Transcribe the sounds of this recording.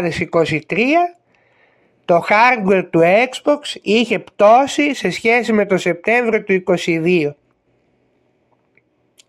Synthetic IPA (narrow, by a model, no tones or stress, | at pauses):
ðesiko̞sit̪ɾiɐ | t̪o̞xɐɾd̪we̞ɾt̪uekz̥bo̞ksiçe̞pt̪o̞sise̞sçe̞sime̞t̪o̞se̞p̚t̪e̞ɱvɾio̞t̪uiko̞siðio̞